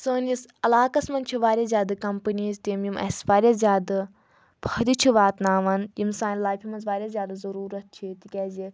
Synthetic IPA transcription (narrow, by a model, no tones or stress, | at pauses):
səːnisɐlaːkɐsmɐnt͡ʃʰiʋaːɾʲazʲjaːd̪ɨkɐmpəniːzt̪imjimɐ̰sʋaːɾʲazʲaːd̪ɨ | pʰɐd̪it͡ʃʰiʋaːt̪naːʋɐnjimsaːnlaːjfʰʲimɐnzʋaːɾʲaːzʲjaːd̪azɐɾuːɾɐt̪̚t͡ʃʰit̪ikʲɛːzi